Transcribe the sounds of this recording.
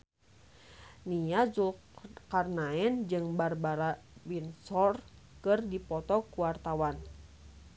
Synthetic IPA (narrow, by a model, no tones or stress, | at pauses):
niad͡ʒul | karnaɛnd͡ʒɨŋbarbaɾabinsɔr | kɨrdipɔt̪ɔkuwart̪awan